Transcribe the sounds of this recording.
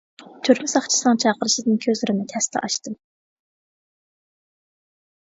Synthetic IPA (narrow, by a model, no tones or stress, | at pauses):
t̪ʰyɾmɪsɑχt͡ʃʰi̥sɨnɨŋt͡ʃʰɑːqəɾɨʃid̪ɨnkʲʰøzlɾɪnɪt̪ʰɛst̪ʰɛ̰ʔɑ̰ʃt̪ɨm